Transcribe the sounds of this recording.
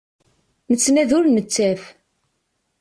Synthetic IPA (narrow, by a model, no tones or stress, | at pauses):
mət͡sːnæðʊɾnət͡sːæf